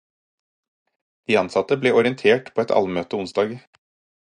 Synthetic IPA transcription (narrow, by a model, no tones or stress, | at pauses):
d̪̥iːɑnsɑt̪əbleːʔɔɾɪənt̪ʰeːʈpʰoːɛt̪ʰɑ̰lmøːt̪əʊnsd̪ɑːɡ